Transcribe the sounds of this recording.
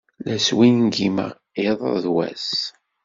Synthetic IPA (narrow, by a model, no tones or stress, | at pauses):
læswinnɡimə̰ʁ | ɪðˤəðwæ̰s